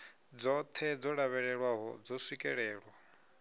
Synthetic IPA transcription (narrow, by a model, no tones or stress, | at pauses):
d͡zɔt̪ʰɛd͡zɔɺaβɛɺɛɺwaɦɔ̰d͡zɔsikʼɛɺɛːɺwa